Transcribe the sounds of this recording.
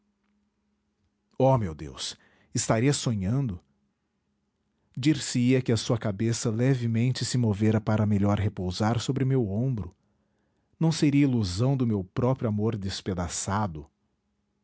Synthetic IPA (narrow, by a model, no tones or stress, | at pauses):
ɔmewd̪ḛws | ɪst̪aɾiɐsoɲɐ̃nd̪ʊ | d͡ʒiɾsɪiɐkɪɐsuɐkabesɐlɛvɪmẽnt͡ʃɪsɪmoveɾɐpaɾɐmeʎɔɾɦepowzaɾsobɾɪmewõbɾʊ | nɐ̃w̃seɾiɐiluzɐ̃w̃d̪ʊmewpɾɔpɾjuamoɾd̪esped̪asad̪ʊ